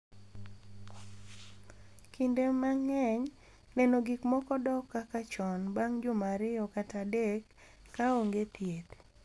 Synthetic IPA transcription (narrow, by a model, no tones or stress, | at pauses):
kʰindemaŋɛɲ | nɛnoɡikmɔkɔdɔkːakat͡ʃɔnbaŋd͡ʒʊmaɾɪɔkatadekː | aoŋɡetjet